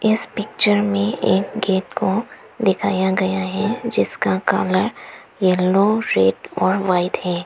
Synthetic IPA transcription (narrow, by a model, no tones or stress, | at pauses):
ɪspɪk̚t͡ʃəɾmẽeːkɡeːʈko | d̪ɪkʰaːjaɡɐjaɦɛd͡ʒɪskaka̰ːləɾ | jɛlːoɾeːʈɔːɾʋaːɪt̪ɦɛː